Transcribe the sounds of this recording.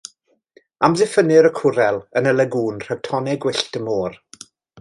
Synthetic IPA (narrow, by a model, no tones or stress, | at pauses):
amzɪfənɪɾəkʰʊɾɛlˠənəlɛɡuːnr̥ɛɡ̥tʰɔnɛɡwɪɬtəmoːr